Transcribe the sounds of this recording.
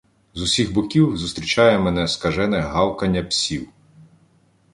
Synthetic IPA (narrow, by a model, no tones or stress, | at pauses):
zʊsʲiɣbɔkʲiwzʊst̪ɾʲit͡ʃɑjɛmɛnɛskɐʒɛnɛɦɑwkɐnʲːɐpsʲiw